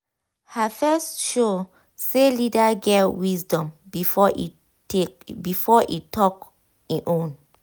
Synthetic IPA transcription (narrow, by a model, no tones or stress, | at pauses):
hafɛstʃo | selidaɡɛwisdɔ̃mbifɔi | ebifɔʔitʰɔk | iʔõn